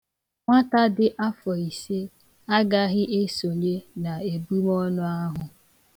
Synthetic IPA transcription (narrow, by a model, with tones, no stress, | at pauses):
ŋʷa˦ta˦dɪ˦ʔa˦fɔ˨i˨se˦ | a˦ɡa˦ɣɪ˦ʔe˦so˨le˦na˨e˨bu˦mɔ˦nʊ˦a˦ɦʊ˨